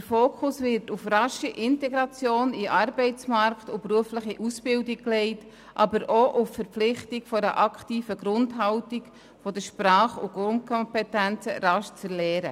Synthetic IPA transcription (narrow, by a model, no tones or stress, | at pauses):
d̥əɾfoːkʰʊsvɪtʊfrɑʃiʔɪntɛɡɾɑt͡sjoːniʔɑɾbɛɪt͡smɑɾktʊpruəfləχiʔusb̥ɪldikklɛɪt | ʔɑbəɾʔoʔʊffəɾpflɪχtikfɔɾə̰ʔɑkʰtiːfəɡɾʊndɦɑʊtik | fɔdəʃpɾɑːχʊɡʊnt̚kʰɔmpɛtænt͡sə̰ɾɑʃt͡sɛɾlɛːɾə